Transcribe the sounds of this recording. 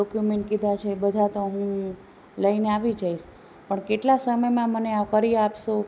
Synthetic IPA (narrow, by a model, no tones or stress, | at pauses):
ɔkjumeɳʈ̚kid̪ʱat͡ʃʰebəd̪ʱat̪oɦũ | ləineaʋid͡ʒaiʃ | pəɳkeʈlasəməjmãməneaʋkəɾiapʃo